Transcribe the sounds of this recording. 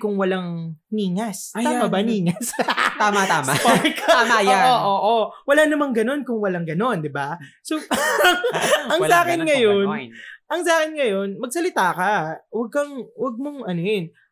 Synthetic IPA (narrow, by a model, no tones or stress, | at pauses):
kʊŋwɐlaŋniːŋɐsaamɐbaniːŋɐst̪aːmat̪asmapakamajaoːʔoʔowɐlaːnɐmaŋɡɐno̞nkʊŋwɐlaŋɡɐno̞nd̪ɪba | soŋʔɐŋaːkɪnŋɐjo̞nʔɐŋsaːkɪnŋɐjo̞nmɐɡ̚sɐlɪt̪aːkɐwɐɡ̚kɐŋwɐɡ̚moŋʔɐnojʊn